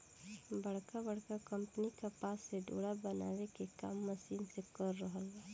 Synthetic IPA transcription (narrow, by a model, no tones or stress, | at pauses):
bɐɽ̤kabəɽkakə̃mpnikapaːsːeɖo̰ːɽabəna̰ːwekeka̰ːmːəsiːnsekəɾːəɦəlaː